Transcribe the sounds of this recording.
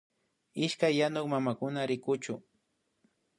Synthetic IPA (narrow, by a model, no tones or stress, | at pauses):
ɪʃkajːanʊkmamakʊnaɾɪkʊt͡ʃʊ